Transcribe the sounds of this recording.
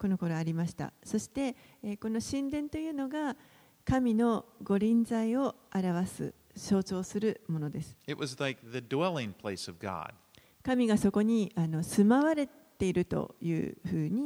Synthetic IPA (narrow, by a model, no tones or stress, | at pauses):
ko̞no̞ko̞ɾo̞aɾʲimaɕi̥t̪a̰so̞ɕi̥t̪e̞ | kono̞ɕĩnd̪ẽ̞nt̪o̞jɯ̟ːno̞ɡa | kamʲino̞ɡo̞ɾʲĩnzaio̞ | aɾaβ̞asɨ̰ | ɕo̞ːt͡ɕo̞ːsɨɾɯ̟mo̞no̞d̪e̞sɨ̥ɨʔ̚wʌzlaɪk̚ðɨdwɛlˠɪ̃ŋpʰl̥eɪsʌvɡɑ̰d̥ | kamʲiɡaso̞ko̞ɲ̟iano̞sɨmaβaɾe̞ | t̪e̞iɾɯ̟t̪o̞̰jɯ̟̰ːɸɯːɲ̟i